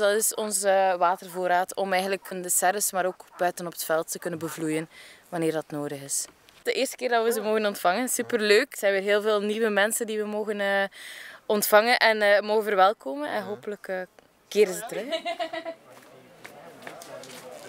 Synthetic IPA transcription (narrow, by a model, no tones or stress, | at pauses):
dɑtɪsɔnzəʋaːtərvoːɾaːtɔmɛjɣənələkəndəsɛɾəsmaːɾoːkb̥œɥtənɔpə̥tfɛlˠtːəkɵnənbəvlujənʋɑnɪːrdɑtnoːdəɣɪs | d̥əʔɪːrstə̥kɪːrdɑtʋəzəmoːɣənɔntfɑŋənsypərløːkz̥ɛjnʋɪːrɦeːlˠveːlˠniwəmɛnsəndiʋəmoːɣənəː | ɔntfɑŋənʔɛnəːmoːɣəvərʋɛlˠkoːmənɛ̰nɦoːpələkə | keːɾəzətɾɵx